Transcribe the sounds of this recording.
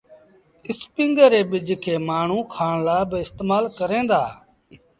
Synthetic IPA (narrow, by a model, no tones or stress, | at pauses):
ɪspɪ̃ŋɡəɾeːɓɪd͡ʒʱkʰeːmaːɳ̤ũːkʰaːɳlaːbɪɪst̪eːmaːlkəɾẽːnd̪a̰ː